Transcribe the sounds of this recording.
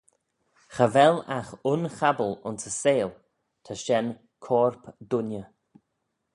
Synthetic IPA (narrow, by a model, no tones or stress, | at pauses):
xəvɛlaxʊnxabəlʊ̰nsəseːl | t̪ʰəʃɛn | kʰɔːɹpd̪ʊnjə